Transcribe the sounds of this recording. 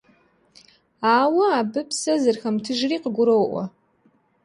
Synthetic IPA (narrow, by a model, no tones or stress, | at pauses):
aːwɐabɨpʰsɐzɨrxɐmtʰɨʒriqəɡʷʊɾowʔʷa̰